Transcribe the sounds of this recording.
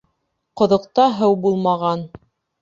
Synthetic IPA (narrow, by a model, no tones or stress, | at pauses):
qŏðŏqt̪ɑɦɤwbulˠmɑʁɑn